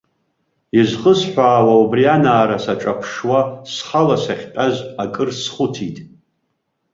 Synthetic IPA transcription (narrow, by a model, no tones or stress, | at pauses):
izχʼəsħʷaːwaubrianaːɾasaʈ͡ʂʼapʰʂwasχalasaχʲtʼazakʼɨrsχʊtʰitʼ